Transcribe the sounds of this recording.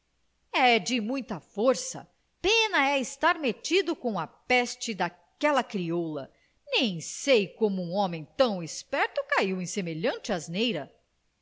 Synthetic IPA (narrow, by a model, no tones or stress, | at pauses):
ɛd͡ʒɪmũj̃t̪ɐfoɾsɐ̰ | pẽnɐɛɪst̪aɾmet͡ʃid̪ʊkõw̃ɐpɛst͡ʃɪd̪a | kɛlɐkɾiolɐ̰ | nẽj̃sejkõmʊũɔ̃mẽj̃t̪ɐ̃w̃ɪspɛɾt̪ʊkaiwẽj̃semeʎɐ̃t͡ʃɪaznejɾɐ